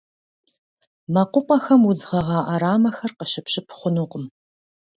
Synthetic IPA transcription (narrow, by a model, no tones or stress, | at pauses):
mɐqʷʊpʼɐxɐmwud͡zʁɐʁɑːʔaɾaːmɐxɐrqəʃɪpɕɪpʰχʷʊnuːqʊm